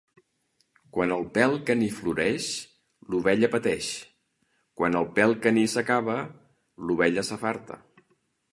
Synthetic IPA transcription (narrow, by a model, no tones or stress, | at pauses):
kwanəlˠpɛlˠkənifluɾɛʃ | luβɛʎəpət̪ɛʃ | kwanəlˠpɛlˠkənisəkaβə | luβɛʎəsəfaɾt̪ə̰